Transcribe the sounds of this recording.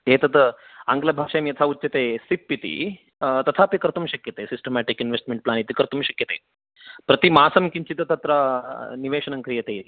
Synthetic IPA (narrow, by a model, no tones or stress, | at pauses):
ɦeːt̪ɐt̪əaŋɡlɐbʱakʂajmjɐt̪ʰautːɐt̪esipːit̪ḭ | t̪ɐt̪ʰaːpikɐɾt̪ɐmɕɐkjɐt̪esisʈəmæʈikinʋesʈmeɳʈ̚plaːnit̪ikɐɾt̪umɕɐkjɐt̪eː | pɾɐt̪imaːsɐmkiɲt͡ɕit̪ɐt̪ɐt̪ɾaniʋeːʃɐnɐŋkɾijɐt̪e